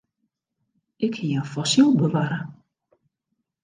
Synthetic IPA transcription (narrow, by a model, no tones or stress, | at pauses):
ɪkhiənfɔsilˠbəʋaɾə